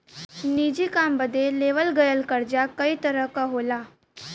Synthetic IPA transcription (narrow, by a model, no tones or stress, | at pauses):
nid͡ʑiːkambəd̪ʱːeleʋəlɡəjəlkəɾd͡ʑjakəiːt̪əɾəkəɦola